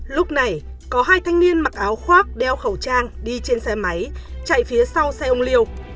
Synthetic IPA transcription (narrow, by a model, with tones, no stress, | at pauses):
lʊ˦˥k͡p̚na˨˩j | kɔ˨˦ɦaː˧jt̪ʰa˧jŋ̟ni˧ənma˨˩t̚ʔaː˨˦wxwaː˦˥k̚ɗɛ˧wxə˧˩wt͡ɕaː˧ŋɗi˧t͡ɕe˧nsɛ˧ma˨˦jt͡ɕa̰˧˨jfi˨˦əsa˧wsɛ˧ʔə˧ŋ͡mli˧əw